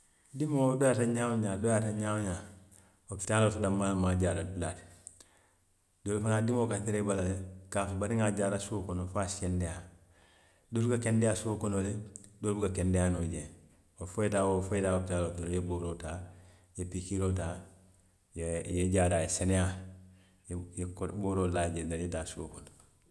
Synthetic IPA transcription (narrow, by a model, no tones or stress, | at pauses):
dimodojaːtaɲaːwoɲadojataɲaːwoɲa | opi̥talotudamːalmaːɟaːɾadulati̥ | doːlfanadimokantiɾebalalekafubaɾiŋaɟaːɾasukonofaːsiendeja | dolukakendejasuokonoledoːlbukakendejanoɟẽ | wofojetaːwofoetaːofitaːlotojeboːɾoːta | jepikiloːtaː | jjeɟaːɾajeseneja | jjekboːɾoːlaːɟendajetaːsuokono